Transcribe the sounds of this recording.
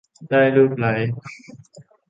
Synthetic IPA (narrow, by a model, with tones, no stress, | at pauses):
daː˥˩jlɯː˧˩k̚la˩˦j